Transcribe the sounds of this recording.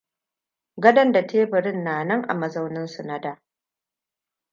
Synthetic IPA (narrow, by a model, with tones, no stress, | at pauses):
ɡɐ˦dɐ˦nda˨tʰeː˦bɪ˨ɾɪ˦nːaː˨nɐ˦ŋʔa̰˨mɐ˨zɐ˦wnɪ˦nsu˨na˦daː˦